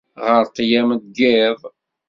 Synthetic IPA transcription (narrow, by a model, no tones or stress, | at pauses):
ʁəɾt̪jæməd̪̚ɡɪðˤ